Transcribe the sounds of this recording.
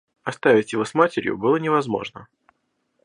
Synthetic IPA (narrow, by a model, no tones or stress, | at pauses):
ɐst̪avʲɪtʲjɪvo̞smatʲɪɾʲjʊ̰bɨlˠənʲɪvɐzmo̞̰ʐnə